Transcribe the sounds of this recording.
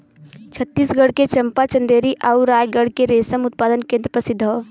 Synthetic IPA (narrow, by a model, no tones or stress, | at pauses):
t͡ʃʰət̪ːiːsɡəɽket͡ʃɐmpat͡ʃə̃nd̪eːɾiʔauɾaːjɡəɽ̤keɾeːsəmʊt̪̚paːd̪ənkẽːnd̪ɾəpɾəsɪd̪ʱːo